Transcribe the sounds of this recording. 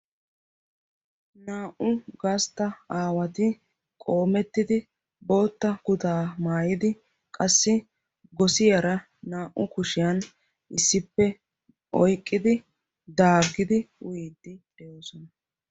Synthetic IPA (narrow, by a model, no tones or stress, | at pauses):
naːʔʊɡɐst̪ːɐaːwɐt̪ɪ | kʼo̞ːmɛt̪ːɪd̪ɪ | bo̞ːt̪ːɐɡʊt̪aːmaːjɪd̪ɪ | kʼɐsːɪ | ɡɔsɪjɐɾɐ | naːʔːʊkʊʃɪjɐn | ʔɪsːɪpːɛ | ʔɔjkʼːɪd̪ɪ | d̪aːɡːɪd̪ɪʊ̰jeːd̪ːɪ | ɛjoːsɔnɐ